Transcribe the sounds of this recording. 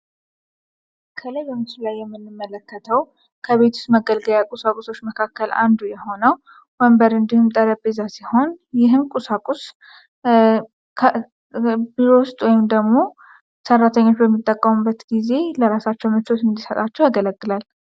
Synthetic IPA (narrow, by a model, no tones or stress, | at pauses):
kʰələjbəmɨsɨlajːɛmːɨnːɨmːələkːət̪ʰəw | kʰəβe̞t̪ʰu̥st̪məɡəlɡəljakʼusakʼuso̞t͡ʃːməkʰakːəla̰nd̪ujɛho̞nəw | məmbəɾɨnd̪ihumt̪ʼəɾəbezasiho̞njɪɦɨmkʼusakʼus | kʰ | biɾowʊst̪ʼwɔjɪmd̪əɡmo̞ | sərːat̪ʰəɲːo̞t͡ʃːbəmːit̪ʼːəkʼːəmubːət̪ɡize̞ləɾasat͡ʃːɛwmɨt͡ʃot̪ɨnd̪isət̪ʼat͡ʃːɛwjaɡələɡːɨlal